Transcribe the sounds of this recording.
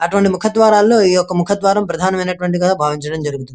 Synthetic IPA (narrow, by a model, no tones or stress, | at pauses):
ɐʈuʋɐɳʈimukʰɐt̪ʋaːɾaːlːo̞ːiːjɔkːɐmukʰɐt̪ʋaːɾɐmpɾɐd̪ʱaːnɐmɐjnɐʈʋɐɳʈiɡaabʱaːʋiɲt͡ʃɐɽɐmd͡ʒɐɾuɡut̪und̪i